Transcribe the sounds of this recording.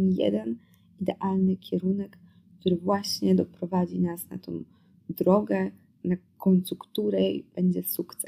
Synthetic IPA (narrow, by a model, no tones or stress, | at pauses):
jɛ̰d̪ɛn | id̪ɛʔalnɘkʲʰɛɾunɛk | t̪uɾɘvwaɕɲɛd̪ɔpɾɔvad͡ʑinasna̰t̪ɔ̰̃w̃ | d̪ɾɔɡɛ | na | kɔnsukt̪uɾɛb̥ɛɲd͡ʑɛsukt̪sɛ